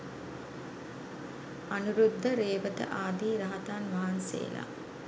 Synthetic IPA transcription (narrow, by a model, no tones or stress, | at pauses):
anuɾud̪ʱːəɾeːʋət̪ə̰ʔaːd̪iːɾɐɦɐt̪aːnʋaɦansḛːla̰